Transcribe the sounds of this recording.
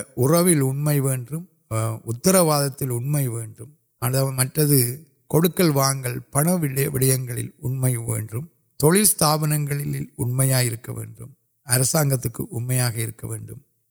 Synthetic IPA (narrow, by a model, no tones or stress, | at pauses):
ʊrɐʋɪlʊɳmɐɪʋeːndrɯm | ʊt̪ːɐɾɐʋaːðɐt̪ːɪlʊɳmɐɪʋeːɳdɯm | ɐðaːmɐʈrɐðɯ | kɔɽɯkːɐɭʋaːŋɡɐɭpɐɳɐʋɪɭʋɪɽɐjɐŋɡɐɭɪ̰lʊɳmɐɪʋḛːndrɯm | t̪ɔɭɪst̪aːʋɐnɐŋɡɐɭɪlɪlʊɳmɐjaːjɪɾɯkːɐʋḛːɳdrɯ̰m | ɐɾɐsaːŋɡɐt̪ːɯkːɯ̰ʔʊɳmɐjaːɣɐɪɾɯkːɐʋḛːɳɖɯm